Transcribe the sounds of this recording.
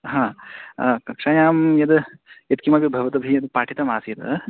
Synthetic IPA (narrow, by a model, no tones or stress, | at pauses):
ɦãː | kɐkʂaːjaːmjɐd̪ɐɐt̪̚kimabibʱɐʋɐt̪ɐbʱijɐd̪paːʈʰit̪ɐmaːsijɐt̪ɐ